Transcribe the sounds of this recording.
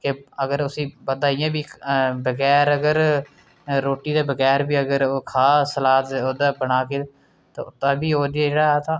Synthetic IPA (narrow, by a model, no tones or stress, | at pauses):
keəɡəɾʊsĩːpəd̪aːɪjãːbiːbəɡɛːɾəɡəɾ | ɾoːʈiːd̪eːbəɡɛːɾbiːəɡəɾoːkʰaːsəlaːt̪oːd̪aːbənaːkeː | t̪ã̰ːʊt̪ːãːbiːoːd̪ɪjaːd͡ʒeːɽaːɛːt̪ʰaː